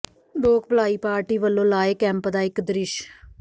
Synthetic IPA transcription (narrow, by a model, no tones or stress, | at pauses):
loːk̚ʰbəlaːiːpaːɾʈiːʋəlːõːlaːeːkɛ̃ːmpd̪aːɪkd̪ɾɪʃ